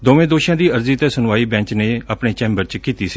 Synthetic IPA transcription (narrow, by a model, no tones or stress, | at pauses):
d̪oːʋẽːd̪oːʃãːd̪iːəɾziːt̪eːsʊnaːiːbɛ̃ːɲt͡ʃneːaːpɳeːt͡ʃɛ̃ːmbəɾt͡ʃkiːt̪iːsiː